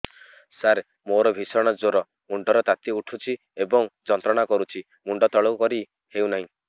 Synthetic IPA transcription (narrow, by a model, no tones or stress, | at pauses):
saɾ | moɾɔbʱisɔɽ̃ɔd͡ʒoɾɔ | muɳɖɔɾɔt̪at̪iuʈʰut͡ʃʰi | ebɔŋd͡ʒɔnt̪ɾɔɽ̃akɔɾut͡ʃʰi | muɳɖɔt̪ɔɭɔkɔɾi | heunaɦĩ